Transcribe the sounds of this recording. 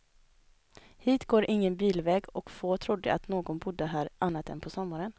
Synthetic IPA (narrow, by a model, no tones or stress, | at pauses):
hiːt̪ɡoːɾʔɪŋːənbiːlvɛːɡɔkfoːt̪ʰɾʊd̪ːə̰ʔa̰t̪noːɡɔnbʊd̪ːəɦæːɾʔanːat̪ɛ̰npʰɔsɔmːaɾən